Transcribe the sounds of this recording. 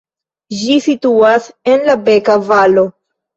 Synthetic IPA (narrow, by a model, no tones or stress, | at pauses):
d͡ʒisituase̞nlabe̞kavalo̞